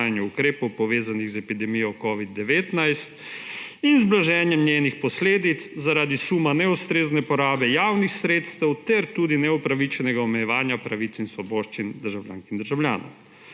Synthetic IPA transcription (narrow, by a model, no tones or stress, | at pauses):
janjuukɾeːpɔwpɔʋeːzaniɣzɛpid̪ɛmijɔkɔːʋid̪̚ːɛʋeːt̪najst̪ | inzblaʒɛːnjɛmnjeːnixpɔsleːd̪it̪szaɾaːd̪isuːmanɛust̪ɾeːznɛpɔɾaːbɛjaːwnixsɾeːt̪st̪ɛwt̪ɛɾt̪uːd̪inɛupɾaʋit͡ʃɛnɛɡaɔmɛjɛʋaːnjapɾaʋit̪sinsʋɔbɔːʃt͡ʃind̪əɾʒawlja̰ːnkind̪əɾʒawlʲja̰ːnɔ̰w